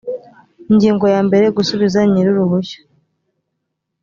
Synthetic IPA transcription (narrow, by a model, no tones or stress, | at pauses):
iɲɟiːŋɡo̞jaːmbe̞ɾe̞ɡusuβizaɲiɾuɾuβuço̥